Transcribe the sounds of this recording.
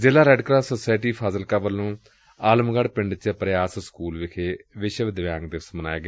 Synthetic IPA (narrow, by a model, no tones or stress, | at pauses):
zɪːlaːɾɛːɖkɾaːsosaːjʈiːpʰaːzəlkaːʋəlːõː | aːləmɡəɽpɪɳɖt͡ʃəpɾjaːsskuːlʋɪkʰeːʋɪʃʋɪd̪ʋjaːŋɡ̚d̪ɪsməna̰ːeːɡe